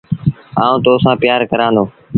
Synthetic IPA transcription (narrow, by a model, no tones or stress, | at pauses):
ãːũːt̪oːsãːpjaːɾkəɾãːnd̪oː